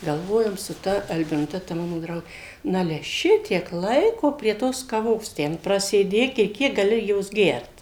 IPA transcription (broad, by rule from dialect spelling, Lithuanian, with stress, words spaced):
ɡɐlˠˈʋoːjoːm sʊ ˈtɐ ɐlʲbʲɪnʊˈtʲɛ tɐ ˈmɑːnoː ˈdrɐʊɡʲeː ˈnɑːlʲɛ ˈʃʲɪtʲiɛk ˈlˠɐɪkoː pʲrʲiɛ ˈtoːs kɐˈʋoːs ˈtʲɛn prɐsʲeːˈdʲeːk ɪ ˈkʲiɛk ɡɐˈlʲɪ ˈjoːs ˈɡʲɛrt